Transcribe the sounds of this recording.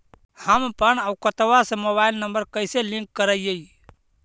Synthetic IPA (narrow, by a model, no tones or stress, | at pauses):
həmpənəwkət̪əʋasə̃moβaɪlnəmbəɾkəjselĩŋkːəɾəijəi